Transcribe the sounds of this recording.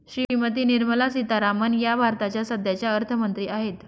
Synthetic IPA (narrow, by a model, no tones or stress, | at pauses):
ɕɾimət̪iːniɾməlasit̪aɾamənjabʱaɾt̪at͡ɕjasəd̪jat͡ɕjaəɾt̪ʰəmənt̪ɾiːaɦet̪